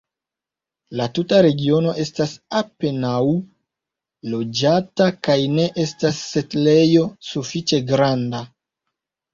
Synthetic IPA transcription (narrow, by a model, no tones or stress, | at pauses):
latutaɾe̞ɡio̞no̞ʔe̞stasape̞naw | lo̞d͡ʒatakajne̞ʔe̞stasːe̞tle̞jo̞sufit͡ʃe̞ɡɾanda